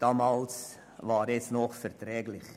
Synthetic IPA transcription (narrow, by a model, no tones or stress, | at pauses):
d̥ɑːmɑːls | vɑːɾɛt͡snɔχfɛɾtɾɛːɡlɪχ